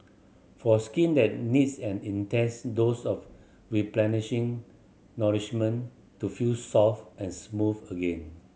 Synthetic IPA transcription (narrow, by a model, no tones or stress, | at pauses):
fɔskĩndɛt̚nidsɛ̃nĩntɛsdosɔf | ɹiplɛnɪʃĩŋ | nɔliʃmə̃n | tːufilsɔfɛ̃nsmuvəɡẽn